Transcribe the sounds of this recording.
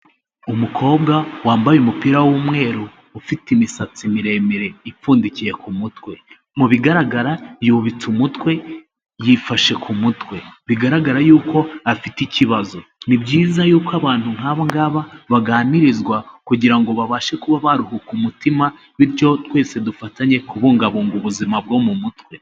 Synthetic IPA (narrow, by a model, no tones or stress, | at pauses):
umukʰo̞ːbɡawaːmbajumupiɾawumŋe̞ːɾuː | fitimisat͡simiɾe̞miɾe̞ifuːndicije̞kʰumutwe̞ | muβiɡaɾaɡaɾajuβit͡sumutwe̞ | jifaʃe̞kʰumutwe̞βiɡaɾaɡaɾajuːko̞afiticiβazonibɟiːzajuːkwaβaːnnhuŋ̥aβaŋɡaːβaβaɡaːniɾizɡwakuɟiɾaŋɡo̞βaβaːʃe̞kuβaβaɾuhukumutima | βiɾco̞twe̞ːse̞dufataɲe̞kuβuːŋɡaβoŋɡuβuzimabɡo̞mumutwe̞